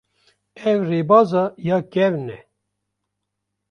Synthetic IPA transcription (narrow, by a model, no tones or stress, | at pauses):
ɛvreːbɑːzɑjɑːkɛvnɛ